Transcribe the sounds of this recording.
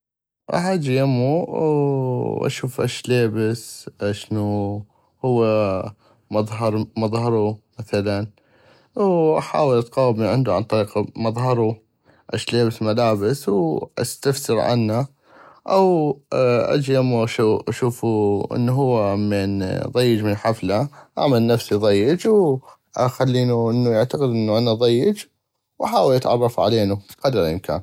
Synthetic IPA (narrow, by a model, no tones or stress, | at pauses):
ʔa̰had͡ʒjamu | ʔa̰ʃuːfʔaʃleːbɪsʃnu | hʊwːa | mɑðˤɦɑɾˤmɑðˤhɑɾˤumaθalan | wʔaħa̰ːwɪlʔat̪qɑːbmiʕɪnd̪uʕa̰nt̪ˤɑɾiːqamɑðˤɦɑɾˤu | ʔaʃleːbɪsmalaːbɪswʔa̰st̪aftɪɾʕa̰nːa | ʔaw | ʔa̰d͡ʒjamʔaʃuːʔaʃuːfuʔɪ̰nːuɦʊwːameːnðˤɑjːɪd͡ʒmɪnħaflaʔa̰ʕmalnafsiðˤɑjːɪd͡ʒw | xalːiːnuʔɪnːujaʕt̪aqɪd̪ʔɪnːuʔanaðˤɑjːɪd͡ʒ | wʔaħaːwɪlʔat̪ʕɑ̰rˤːɑfʕa̰leːnuqɑd̪ɾjɪmka̰ːn